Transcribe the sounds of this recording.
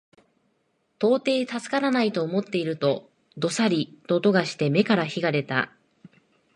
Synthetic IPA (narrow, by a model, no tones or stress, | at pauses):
t̪o̞ːt̪e̞ːt̪asɨ̥kaɾanait̪o̞ːmo̞t̪ːe̞iɾɯ̟t̪o̞ | d̪o̞saɾʲit̪o̞t̪o̞ɡaɕi̥t̪e̞me̞kaɾaçiɡaɾe̞t̪a̰